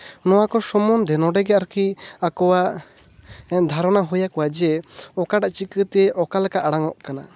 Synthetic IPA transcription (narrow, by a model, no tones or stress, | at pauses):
nɔwakɔsɔmɔnd̪ɛnɔɖɛɡɛaɾkiakɔwa | ɛd̪ʱaɾɔnaɦujakɔwad͡ʒɛɔkaʈaʔt͡ʃikət̪ɛɛʔɔkalɛkaʔaɽaŋɔʔkana